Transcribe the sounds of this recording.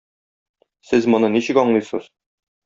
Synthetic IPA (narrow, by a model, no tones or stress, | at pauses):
sɘzmŏnɤniɕɘ̆kɒɴlˠɤjsɤ̰z̥